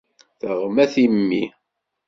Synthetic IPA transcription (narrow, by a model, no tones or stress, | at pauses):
θəʁmæθimːi